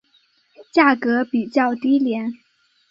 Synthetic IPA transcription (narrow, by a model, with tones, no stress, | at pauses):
t͡ɕja˥˩kɤ˧˥pi˨˩t͡ɕjɑ˥˩ʊt̪i˥ljɛ˧˥n